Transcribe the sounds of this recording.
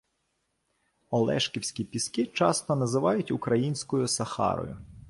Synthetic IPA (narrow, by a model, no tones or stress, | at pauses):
ɔlˠɛ̰ʃkʲiwsʲkʲipʲiskɪt͡ʃɑst̪ɔnɐzɪʋɑjʊtʲʊkɾɐjinʲsʲkɔjʊsɐxɑ̰ɾɔ̰jʊ̰